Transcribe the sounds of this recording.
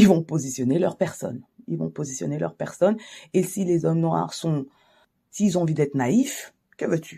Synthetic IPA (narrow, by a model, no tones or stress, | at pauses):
ilvɔ̃pozisjɔnelœʁpɛʁsɔ̰nilvɔ̰̃pozisjɔ̰nelœ̰ʁpɛʁsɔnesilezɔmnwɔa̰ʁsɔ̃ | siz̃ɑ̃vid̪ɛt̪χnaif | kəvøt̪ʰy